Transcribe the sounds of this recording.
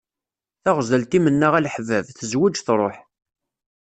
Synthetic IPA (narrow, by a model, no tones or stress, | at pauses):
θæʁzəlt̪imənːæʁælħvævθəzwid͡ʒθɾˤoħ